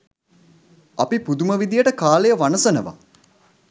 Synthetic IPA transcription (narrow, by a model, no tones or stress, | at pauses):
apipud̪uməʋid̪ijəʈəkaːlejəʋanəsənəʋa̰